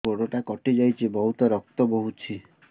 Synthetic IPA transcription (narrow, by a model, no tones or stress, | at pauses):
oɽoʈakɔʈid͡ʒajt͡ʃʰibɔɦut̪ɔɾɔk̚t̪ɔbɔɦut͡ʃʰi